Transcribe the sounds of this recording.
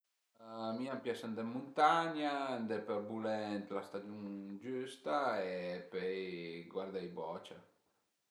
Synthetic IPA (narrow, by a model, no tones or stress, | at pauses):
miampjasand̪emːunt̪aɲand̪ɛpɛbulɛnt̪last̪ad͡ʒ̪juŋd͡ʒust̪aepøjɡwaɾd̪ajbɔt͡ʃa̰